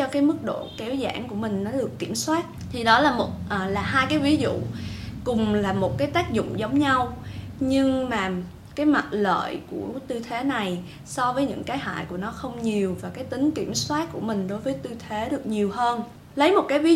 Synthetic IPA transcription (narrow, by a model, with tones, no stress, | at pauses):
t͡ɕɔ˧kaː˨˦jmɨ˦˥k̚ɗo̰˧˨kɛ˨˦wza̰ː˧˩nku˧˩əmï˨˩ŋ̟nɔ˨˦ɗɨ˨˩əkːi˧˩əmswaː˦˥t̚t̪ʰi˨˩ɗɔ˨˦laː˨˩mo˨˩t̚ʔːlaː˨˩ɦaː˧jkaː˨˦jvi˨˦zṵ˧˨kʊ˨˩ŋ͡mlaː˨˩mo˨˩t̚kaː˨˦jt̪aː˦˥k̚zʊ̰˧˨ŋ͡mzə˨˦wŋ͡mɲa˧wɲɨ˧ŋmaː˨˩ | kaː˨˦jma˨˩t̚lə̰ː˧˨jku˧˩ət̪ɨ˧t̪ʰe˨˦na˨˩j | sɔ˧vəː˨˦jɲɨ̰˧˥ŋkaː˨˦jɦa̰ː˧˨jku˧˩ənɔ˨˦xə˧wŋ͡mɲi˨˩əwvaː˨˩kaː˨˦jt̪ï˨˦ŋ̟ki˧˩əmswaː˦˥t̚ku˧˩əmï˨˩ŋ̟ɗo˨˦jvəː˨˦jt̪ɨ˧t̪ʰe˨˦ɗɨ˨˩ək̚ɲi˨˩əwhəː˧n | lə˨˦jmo˨˩t̚kaː˨˦jvi˨˦